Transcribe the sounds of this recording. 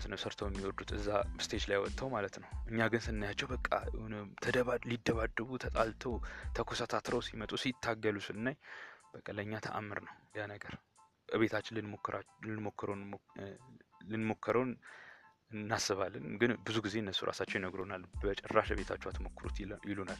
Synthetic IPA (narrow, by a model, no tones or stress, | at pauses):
snəwsəɾt̪ʰəwjɛmːiwɔd̪ut̪ɨzːast̪ʰed͡ʒlajwɔt̪ʼːawmalət̪nəwʔɨɲːaɡɨnsɨnnːajat͡ʃːɛwbəkʼːa̰t̪ʰəd̪əβalid̪ːəβad̪ːəβut̪ʰət̪ʼalt̪ʰəwt̪ʰəkʰʷosat̪ʰat̪ʰɾəwsimət̪ʼusit̪ʰːaɡːəlusɨlɨnːajb̥əkʼːəlːəɲːat̪ʰə̰ʔa̰mːɨɾnəwjanəɡəɾ | ʔɨβe̞t̪ʰat͡ʃːɪlɨnmokːɾalɨnmo̞kʰːəɾəw | lɨnmo̞kʰːəɾəwn | ɨnːasːɨβalːɨnɡɨnbɨzuɡize̞ɨnːəsːuɾʔa̰sat͡ʃːɛwjnəɡɾonalbət͡ʃʼɛrːaʃβe̞t̪ʰat͡ʃːuat̪ʰmokːɨɾṵt̪jɪlonal